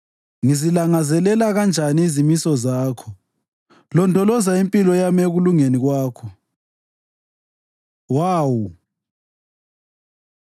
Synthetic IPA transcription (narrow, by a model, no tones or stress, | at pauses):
ŋizilaŋazɛlɛlaɣand͡ʒʱaniːzimisɔzaːkʰɔ | lɔndʱʼɔlɔzaimpʼilɔjameɣuluŋeniɣwaːkʰɔ | waːwu